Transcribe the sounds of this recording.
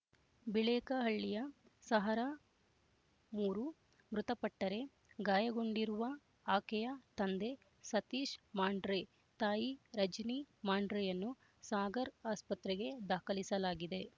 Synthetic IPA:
biɭɛːkɐɦɐɭːijɐsɐɦɐɾa | muːɾu | mɾut̪ɐpɐʈːɐɾe̞ | ɡaːjɐɡo̞ɳɖiɾuʋɐ | aːkɛjɐt̪ɐnd̪e̞ | sɐt̪iːʃmaːɳɖɾe | t̪aːjiɾɐd͡ʒnimaːɳɖɾejɐnːu | saːɡɐɾaːspɐt̪ɾɛɡe̞d̪aːkʰɐlisɐlaːɡid̪e̞

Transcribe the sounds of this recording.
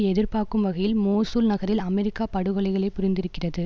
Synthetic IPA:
ɛðɪrpaːɾkɯmʋɐɣɐjɪlmoːsɯlnɐɣɐɾɪlɐmɛɾɪkːaːpɐɽɯɣɐɭɐɪɣɐɭɐɪpːʊɾɪnd̪ɪɾɯkːɪrɐðɯ

